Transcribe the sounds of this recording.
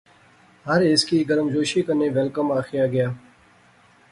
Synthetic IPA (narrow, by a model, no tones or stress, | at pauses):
ɦəɾɪskiːɡəɾəmd͡ʒoːʃiːkəneːʋɛlkəmaːxɪjaːɡɪjaː